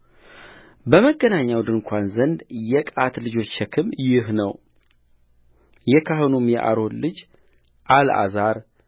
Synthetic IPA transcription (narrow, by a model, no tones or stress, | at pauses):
bəməɡːənaɲːawd̪ɨnkʷʰanzənd̪jɛkʼat̪lɨd͡ʒo̞t͡ʃːʃɛkʰɨmjɪɦnəw | jɛkʰahɨnomjɛ̰ʔa̰ɾo̞nlɨd͡ʒ | ʔalʔa̰zaɾ